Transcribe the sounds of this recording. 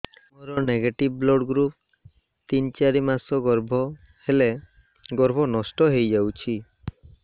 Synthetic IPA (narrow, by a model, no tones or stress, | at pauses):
moɾɔneɡeʈibblɔɽɡɾup̚ | t̪int͡ʃaɾimasɔɡɔɾbʱɔ | hele | ɡɔɾbʱɔnɔsʈɔɦejd͡ʒawt͡ʃʰi